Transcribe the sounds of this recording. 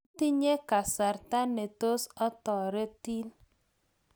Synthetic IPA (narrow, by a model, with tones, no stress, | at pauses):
ti˦ɲe˦ka˨sa˨ɾta˦ne˨to˦sɔ˦tɔ˨ɾe˦ti˦n